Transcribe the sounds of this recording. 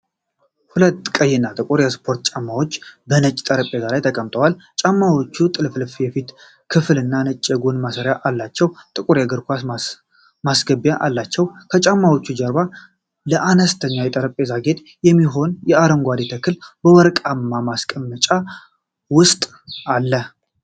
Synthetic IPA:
hulət̪ːkʼəjːɪnːat̪ʼɨkʼuɾjɛspʰo̞ɾt̪t͡ʃʼamːawo̞t͡ʃːbənət͡ʃʼt̪ʼəɾəpʼe̞zalajt̪ʰəkʼəmt̪ʼəwalt͡ʃʼamːawo̞t͡ʃːut̪ʼɨlflfjɛfit̪ | kʰɨfɨlɨnːanɨt͡ʃʼːeɡonmasəɾjaʔalːat͡ʃːɛwt̪ʼɨkʼuɾjaɡɨɾkʷas | masɡəbjaʔalːat͡ʃːɛwkʰət͡ʃʼamːawo̞t͡ʃːud͡ʒəɾba | ləʔanəst̪ʰəɲːawjɛt̪ʼəɾəpʼe̞zaɡe̞t̪ʼ | jɛmːiɦo̞njɛaɾəŋɡʷad̪it̪ʰəkʰːɨlbəwɔɾkʼamːamaskʼəmːət͡ʃʼa | wʊst̪ʼ | alːə

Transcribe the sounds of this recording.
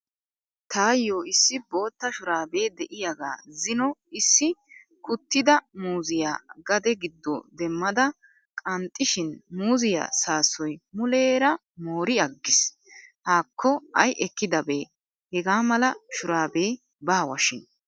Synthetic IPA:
t̪aːjːo̞ːɪsːɪbo̞ːt̪ːɐʃʊɾaːbe̞ːd̪ɛʔɪjɐɡa̰ːzɪnɔɪsːɪ | kʊt̪ːɪd̪ɐmuːzɪjaːɡɐd̪ɛɡɪd̪ːɔ̰d̪ɛmːɐd̪ɐ | kʼɐnt̪ʼːɪʃɪnmuːzɪja̰ːsaːsɔjmʊleːɾɐ | moːɾɪɐɡːɪs | haːkʰːɔɐjʔɛkːɪd̪ɐbeː | hɛɡaːmɐlɐʃʊɾaːbeː | baːwɐʃɪn

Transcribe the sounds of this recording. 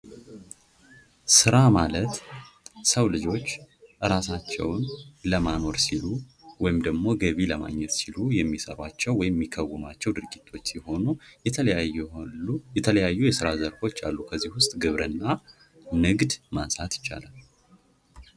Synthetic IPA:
sɨɾamalət̪ | səwlɨd͡ʒo̞t͡ʃːʔɨɾasat͡ʃːɛ̰wnləmano̞ɾsiluwɔjɪmd̪əɡmo̞ɡəβiləma̰ɲːɛt̪silujɛmːisə̰ɾwat͡ʃːɛwwːɔjɪmːikʰːəwːɨmat͡ʃːɛwd̪ɨɾɡit̪ʰːo̞t͡ʃːsiho̞nu | jɛt̪ʰələjajːujɛsɨɾazəɾfo̞t͡ʃːa̰lːukʰəzːihwʊst̪ʼɡɨβɾɨnːa | nɨɡd̪mansʼat̪jɪ̥t͡ʃːa̰lal

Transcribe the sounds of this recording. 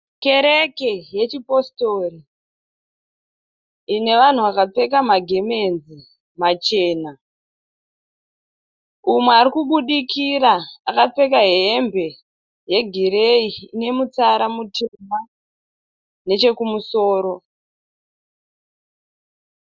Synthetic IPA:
ke̞ɾekeje̞t͡ʃipo̞sto̞ɾi | ine̞ʋan̤uʋakap͡fe̞kamaɡʱe̞me̞nzi | mat͡ʃe̞ːna | umweaɾikuɓuɗikiɾaakap͡fe̞kaɦeːmbʱe̞ | je̞ɡʱiɾeiːne̞mut͡saɾamutʰema | ne̞t͡ʃe̞kumuso̞ːɾo̞

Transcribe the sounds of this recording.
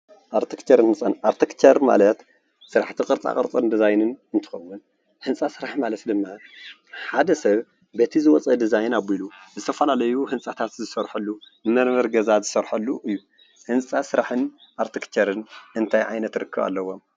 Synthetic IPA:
ʔaɾt̪ʰikt͡ʃɐɾɨnhɨnsʼanaɾt̪ʰikt͡ʃɐɾma̰lɐt̪ | sɨɾaħt̪ʰikʼɨɾt͡sʼa̰kʼɨɾt͡sʼɐnd̪izajnɨnɨnt̪ʰɨ̥xɐwːun | hɨnt͡sʼasɨɾaħmalɐt̪d̪ɨmːa | ħad̪ɐsɐβ | bet̪ʰizɨwɔt͡sʼɐd̪izajnabiluzɨt̪ʰɐfɐlalɐjuhɨnt͡sʼat̪ʰat̪zɨsɐɾħulːunɨmɐɾmɐɾɡɐzazɨsɐɾħɐlːuʔɨjːu | hɨnt͡sʼasɨɾaħɨn | ʔaɾt̪ʰikt͡ʃʰɐɾɨnʔɨnt̪ʰajʕa̰jnɐt̪ɾɨkʰːɨβa̰lːɐwo̞m

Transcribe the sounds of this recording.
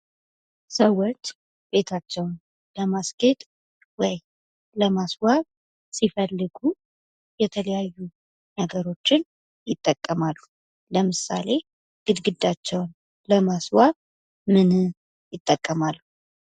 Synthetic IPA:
səwːo̞t͡ʃː | be̞t̪ʰat͡ʃːɛwn | ləmasɡet̪ʼ | wɔj | ləmaswaβ | sifəlːɨɡu | jɛt̪ʰələjajːu | nəɡəɾo̞t͡ʃːɪn | jɪt̪ʼːəkʼːəmalːu | ləmɨsa̰le̞ | ɡ̥ɨd̪ɡɨd̪ːat͡ʃːɛwn | ləmaswaβ | mɨnɨ | jɪt̪ʼːəkʼːəmalːu

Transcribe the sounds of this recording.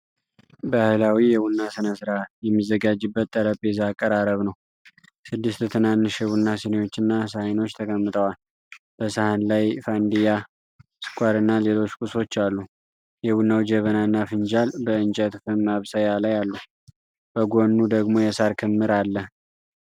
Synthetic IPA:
bahɨlawijɛwunːasɨnəsɨɾajɛmːizəɡad͡ʒɨbːət̪ʼːəɾəpʼezakʼːəɾaɾəβnəw | sɨd̪ːɨst̪ɨt̪ʰɨnanːɨʃɛwunːasɨnejo̞t͡ʃːɨnːasahno̞t͡ʃːt̪ʰəkʼəmːɨt̪ʼəwal | b̥əsəhanlajfand̪ija | sɨ̥kʷʼaɾɨnːale̞lo̞t͡ʃːkʼuso̞t͡ʃːalːu | jɛwunːawd͡ʒəβənaɨnːafɨnd͡ʒalbəɨnt͡ʃʼət̪fɨmmaβsajalajalːu | b̥əɡo̞nːud̪əɡmo̞jɛsaɾkʰɨmːɨɾalːə

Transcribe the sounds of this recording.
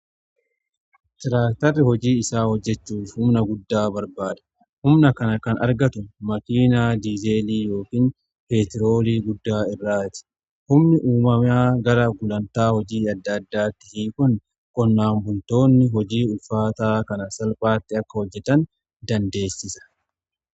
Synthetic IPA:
t̪ɪɾaːkt̪ɐrːɪhɔd͡ʒiːɪsaːhɔd͡ʒːɛt͡ʃːuːfhʊmnɐɡʊd̪ːaːbɐɾbaːd̪ɐ̥ | hʊmnɐkɐnɐkɐnɐɾɡɐt̪ʊmɐkiːnaːd̪iːzeːliːjo̞ːkiːn | pe̞ːt̪ɪɾo̞ːliːɡʊd̪ːaːɪrːaːt̪ɪ̥ | hʊmnɪʔuːmɐmaːɡɐɾɐɡʊlɐnt̪aːhɔd͡ʒiːɐd̪ːad̪ːaːt̪ːɪ̥hiːkʊn | kʼɔnːaːmbʊlt̪o̞ːnːɪɦɔd͡ʒiːʊlfaːt̪aːkɐnɐsɐlpʼaːt̪ːɪɐkːɐhɔd͡ʒːɛt̪ɐn | d̪ɐnd̪e̞ːsːɪsɐ̥

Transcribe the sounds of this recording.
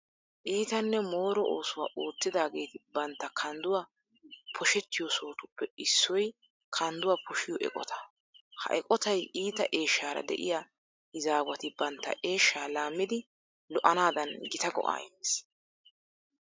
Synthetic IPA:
ʔiːt̪ɐnːɛmo̞ːɾɔʔoːsʊwa̰ːʔoːt͡sːɪd̪aːɡe̞ːt̪ɪbɐnt̪ːɐkʰɐnd̪ʊwa | pʰɔʃɛt̪ːɪjɔso̞ːt̪ʊpːɛɪsːɔj | kʰɐnd̪ʊwapʰɔʃɪjɔʔɛ̰kʼɔ̰t̪ɐ̥ | hɐ̰ʔɛkʼɔt̪ɐjʔiːt̪ɐʔeːʃːaːɾɐ̰d̪ɛ̰ʔɪ̰jaː | ɪzaːɡwɐt̪ɪbɐnt̪ːɐ̰ʔe̞ːʃːaːlaːmːɪd̪ɪ | lɔʔɐnaːd̪ɐnɡɪt̪ɐɡɔ̰ʔa̰ːɪnes

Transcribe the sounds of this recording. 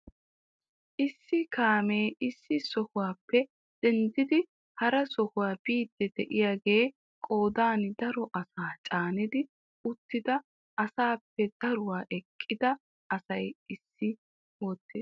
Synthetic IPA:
ʔɪsːɪkaːmeːɪsːɪsɔhʊwaːpːɛ | d̪̥ɛnd̪ɪd̪ɪ | hɐɾɐsɔhʊwaːbiːd̪ːɛd̪ɛʔɪjaːɡeː | kʼo̞ːd̪aːnd̪ɐɾɔʔɐsaːt͡ʃʼaːnɪd̪ɪ | ʊt̪ːɪd̪ɐ | ɐsaːpːɛd̪̥ɐɾʊwaːʔɛkʼːɪd̪ɐ | ɐsɐjɪsːɪ | o̞ːt̪ːeːs

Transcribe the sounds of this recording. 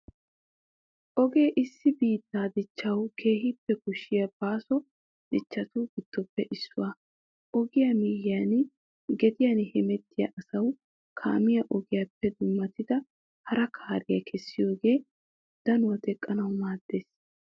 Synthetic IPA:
ʔɔɡe̞ːʔɪsːɪbiːt̪ːaːd̪ɪt͡ʃːɐwkʰe̞ːhɪpːɛkʊʃːɪjɐb̥aːsɔ | d̪̥ɪt͡ʃːɐt̪uːɡ̥ɪt̪ːɔpːɛʔɪsːʊ̰wa | ʔɔɡɪjɐmijjan | ɡɛd̪ɪjɐnhɛmɛt̪ːɪjɐ̰ʔɐsɐw | kʰa̰ːmɪjɐʔɔɡɪjapːɛd̪ʊmːɐt̪ɪd̪ɐ | hɐɾɐkʰaːɾɪjɐkʰɛsːɪjo̞ːɡe̞ː | d̪̥ɐnʊwɐd̪ɛkʼːɐnɐwmaːd̪̥ːeːs

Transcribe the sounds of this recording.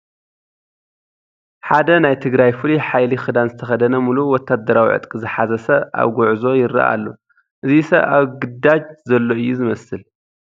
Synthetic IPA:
ħad̪ɐnajt̪ʰɨɡɾajfɨliħajlixɨd̪anzɨt̪ʰɐxɐd̪ɐnɐmuluwɔt̪ʰːad̪ːɐɾawḭʕɨ̰t̪ʼkʼizɨħazɐsɐʔa̰βɡuʕzo̞jɪɾɐ̰ʔa̰lːo | ʔɨzisɐβaβɡɨd̪ad͡ʒzɐlːo̞ɨjːuzɨmɐsɨl

